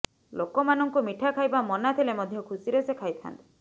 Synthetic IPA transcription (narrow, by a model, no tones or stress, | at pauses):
lokɔmanɔŋkumiʈʰakʰajbamɔnat̪ʰilemɔd̪ʱjɔkʰusiɾesekʰajt̪ʰa̰nt̪i̥